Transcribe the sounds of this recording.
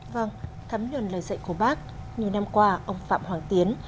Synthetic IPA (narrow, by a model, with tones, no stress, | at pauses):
və˧˩ŋ | t̪ʰaː˨˦mɲwə˨˩nləː˨˩jzə̰˧˨jku˧˩əɓaː˦˥k̚ɲi˨˩əwna˧mkwaː˧ʔə˧wŋ͡mfa̰ː˧˨mɦwaː˧˩ŋt̪i˨˦ən